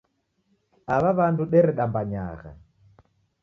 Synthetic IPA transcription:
aβaβanduɗɛɾɛɗambaɲa̰ɣa̰

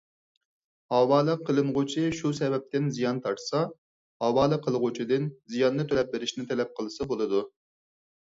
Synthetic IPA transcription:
hɑwɑːlˠɨqʰːəlˠɨmʁʊt͡ʃʰɪʃusɛbɛp̚t̪ɪnzijɑnt̪ʰɑɾt̪sɑ | hɑwɑːlˠəqʰəlˠʁʊt͡ʃʰid̪ɪnzijɑnːɨt̪ʰølɛp̚beɾɪʃnɪt̪ʰɛlɛp̚qʰəlˠɨsɑbolˠɨd̪u

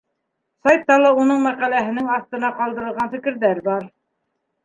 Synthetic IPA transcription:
sɑjt̪ːɑlˠɑunɤɴmæqælæɦɘ̆nɘŋɑθt̪ɤ̆nɑqɑlˠd̪ɤ̆ɾɤ̆lʁɑnfɘ̆kɘ̆ɾðæɾbɑɾ

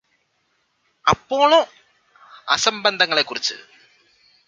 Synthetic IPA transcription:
ɐpːo̞ːɭoː | ɐsɐmbɐnd̪ʱɐŋːɐɭe̞kːurit͡ɕːɨ̰

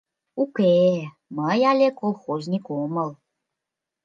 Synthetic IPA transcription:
uke | məjalʲekolˠxozʲnʲikoməlˠ

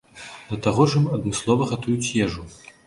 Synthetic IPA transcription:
d̪ɐt̪aɣɔʐɐmɐd̪mɨslˠɔvɐɣat̪ujut͡sʲjɛʐu

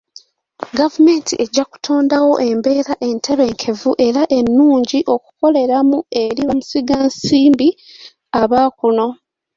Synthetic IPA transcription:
ɡavume̞ːntʰiʔe̞ɟːaku̥tʰo̞ːndawo̞ʔe̞mbe̞ːɾaʔe̞ntʰe̞βe̞ːŋkʰe̞vuʔe̞ɾaʔe̞nːuːɲɟiʔo̞ku̥ko̞le̞ɾamue̞ɾiβamusiɡansiːmbi | aβakuno̞

